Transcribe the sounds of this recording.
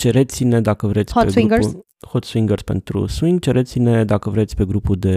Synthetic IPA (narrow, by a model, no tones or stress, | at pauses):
t͡ʃe̞ɾet̪sine̞d̪akəvɾe̞t̪sʲpeiŋɡ | hot̪swiŋɡərspe̞̰nt̪ɾṵswiŋɡ̚t͡ʃe̞ɾʔe̞t̪sine̞d̪akəvɾe̞t̪sʲpe̞ɡɾupud̪e̞